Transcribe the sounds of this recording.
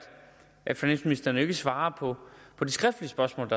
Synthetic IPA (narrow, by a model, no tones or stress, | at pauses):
ʔæ̥finæn̰sminisd̥ɐnəe̝ɡ̥əsʋɑ̈ːpʰɒ̽pʰɒ̽d̥esɡ̥ʁɛfd̥liəsb̥ɶɐsmɔ̰̽ːld̥ɑ